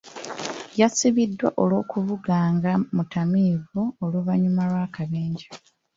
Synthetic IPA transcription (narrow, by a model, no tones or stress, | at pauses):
jasiβidːwa̰ʔo̞lwo̞ːkuvuɡaːŋɡamutamiːvuoluβaɲumalwaːkaβeːɲɟa